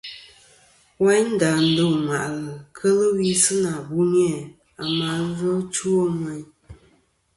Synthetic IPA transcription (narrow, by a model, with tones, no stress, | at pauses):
wa˦n̩˦da˨n̩˦do˦˨ma˨ʔlə˨kʰə˦lə˦wi˦sɨ˦na˨bu˦njɛ˦˨ | a˨ma˨˦ɣɔ˦t͡ʃu˦o˦mə˦ɲ